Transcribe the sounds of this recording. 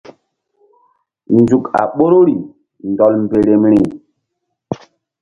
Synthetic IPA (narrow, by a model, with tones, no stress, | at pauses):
nzu˨ka̰˨ɓo˦ɾo˦ɾi˨ | ndɔ˨lm˨be˨ɾe˨mɾi˨